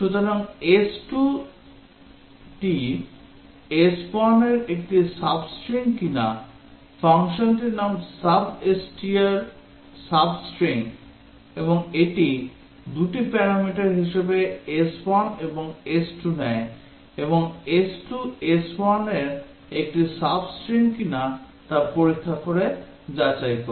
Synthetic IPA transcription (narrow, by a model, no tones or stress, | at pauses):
ʃut̪oɾaŋesʈu | ʈi | espɔɾneɾek̚ʈisabsʈɾiŋkina̰ | faŋʃonʈinamsabesʈiaɾ | sabsʈɾiŋ | eboŋeʈi | d̪uʈipɛɾamiʈaɾɦiʃebeespɔneboŋesʈunɛe | eboŋesʈuespɔɾneɾ | ek̚ʈisabsʈɾiŋkina | t̪aɾpoɾikʰːakoɾe | d͡ʑat͡ɕajko